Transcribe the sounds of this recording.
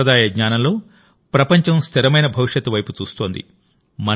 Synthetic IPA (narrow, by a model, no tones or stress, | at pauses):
ɐd̪aːjɐɡɲaːnɐmlo̞ː | pɾɐpɐɲt͡ʃɐmst̪ʰiɾɐmɐjnɐbʱɐʋiʂjɐt̪ːuʋɐjput͡ʃuːst̪o̞ːnd̪ḭ | mɐ